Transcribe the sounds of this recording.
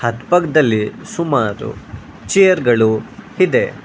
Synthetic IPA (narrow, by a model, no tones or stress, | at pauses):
hɐt̪pɐɡd̪ɐlːisumaːɾṵ | t͡ʃijɐɾɡɐɭuhid̪e